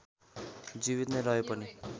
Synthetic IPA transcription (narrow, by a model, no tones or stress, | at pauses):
d͡zibit̪nerʌɦepʌni